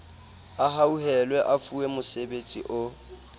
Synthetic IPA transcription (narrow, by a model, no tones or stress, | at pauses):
aɦauɦɛlwɛʔafuɛmʊsebet͡sʼiʔʊ